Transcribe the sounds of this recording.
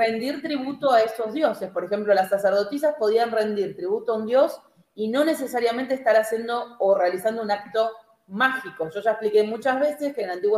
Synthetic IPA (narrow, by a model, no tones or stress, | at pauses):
rend̪iɾt̪ɾiβut̪oaesto̞zðjo̞se̞spo̞ɾexe̞mplolasːaseɾð̞o̞t̪is̬aspo̞ð̞ianre̞nd̪iɾt̪ɾiβut̪oaund̪jos | ino̞ne̞sesaɾjamẽnt̪eːst̪aɾasje̞nd̪o̞ːrealisand̪ounak̚t̪o̞ | maxiko̞ʒo̞ʒaesplikemut͡ʃazβe̞seskeːnant̪iɣwo